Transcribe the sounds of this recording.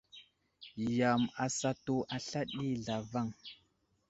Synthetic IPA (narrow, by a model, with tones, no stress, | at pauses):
ja˨ma˨sa˨to˨ʔa˨ɬa˦ɗi˦ɮa˨va˦˨ŋ